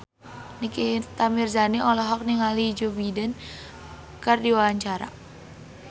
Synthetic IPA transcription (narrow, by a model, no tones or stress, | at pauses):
nikit̪amirzaniʔɔlɔɦɔk̚niŋalid͡ʒobidən | kardiwaaɲt͡ʃaɾa̰